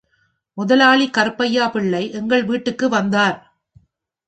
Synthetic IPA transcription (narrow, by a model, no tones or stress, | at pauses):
mʊðɐlaːɭikːɐɾpːɐjːaːpɪɭːɐɪʔɛŋɡɐɭʋiːʈːɯkːɯʋɐnd̪aːɾ